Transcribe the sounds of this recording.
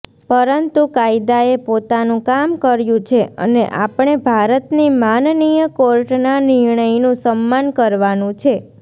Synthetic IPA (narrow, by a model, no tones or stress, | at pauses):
pəɾənt̪ukaid̪aepot̪anũkamkəɾjũt͡ʃʰeə̰neʔa̰pɳ̃ebʱaɾət̪nimannijəkoɾʈnanɪɾɳəinũsəmːankəɾʋanũt͡ʃʰe